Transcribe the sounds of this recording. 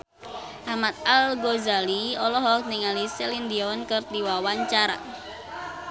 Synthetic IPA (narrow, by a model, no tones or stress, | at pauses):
ʔamat̪̚alɡozaliɔlɔɦɔk̚niŋaliselind̪iɔnkərd̪iwawaɲt͡ʃaɾa̰